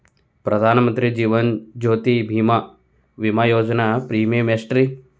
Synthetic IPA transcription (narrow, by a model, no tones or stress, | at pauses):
pɾɐd̪ʱaːnɐmɐnt̪ɾid͡ʒiːʋɐnd͡ʒoːt̪ibʱim | ʋimajoːd͡ʒənapɾiːmemesʈɾi